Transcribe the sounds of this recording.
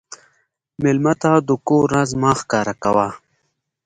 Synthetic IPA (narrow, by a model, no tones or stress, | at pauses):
mɪlmat̪ad̪ukoɾazmaːxkɑːɾakawa